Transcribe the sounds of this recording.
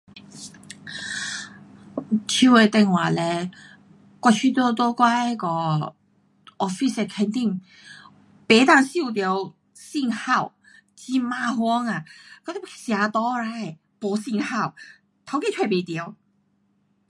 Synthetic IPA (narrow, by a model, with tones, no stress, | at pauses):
t͡ɕʰi˧˥wɛ˧t̪ɛ˧˩ŋwaː˨˩lɛ˧ | kwa˧t͡ɕʰy˥t̪ɔ˥t̪ɔ˥˧kwa˥ɛ˧˥kɔ˧ | ʔɔ˧fi˥sɛ˧kʰɛ˧nt̪i˥˩ŋ | pe˨˧˦t̪a˧˩ŋsi˥˧˨t̪jɔ˨˧w | si˥˧ŋha˥˩w | t͡ɕi˧maː˧hwɔ˥˧˥ŋa˨kt̪ɛ˥psja˨˧˥t̪ɔ˦˥ɾa˧˩j | pɔ˨˧˥si˥˧ŋha˥˩w | t̪ʰa˧˥wki˧˥t̪ʰwe˥˧˩pe˨˩t̪ji˨˧˦w